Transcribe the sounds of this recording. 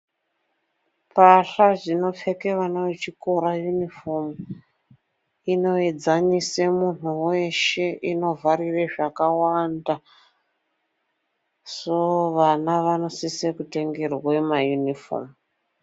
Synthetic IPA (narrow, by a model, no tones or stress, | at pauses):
paɬaʐino̞p͡fe̞ke̞ʋanoʋet͡ʃiko̞ɾajunifo̞mu | ino̞ed͡zaɲisemun̤uwe̞ʃe̞ʔino̞vʱarireʐakawanda | so̞ʋanaʋano̞sisekute̞ŋɡe̞rwemajunifo̰mu